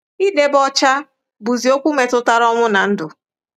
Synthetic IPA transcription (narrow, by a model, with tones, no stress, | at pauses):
i˦de˨bɔ˦t͡ʃa˦ | bu˨zi˨o˦kʷu˦me˨tʊ˦ta˦ɾɔ˦ŋʷʊ˦na˨n̩˦dʊ˨